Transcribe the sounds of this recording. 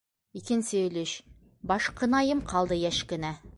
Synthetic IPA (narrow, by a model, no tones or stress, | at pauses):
ikɘnsɵ̆lɵɕ | bɑʃqɤ̆nɑjɤmqʰɑlˠd̪ɤjæʃkɘ̆næ